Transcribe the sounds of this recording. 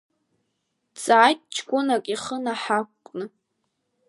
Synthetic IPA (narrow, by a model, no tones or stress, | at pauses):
t͡sʼaːjt̚ʼt͡ʃʰkʷʼʊnakʼiχənaħakʷkʷʼnɨ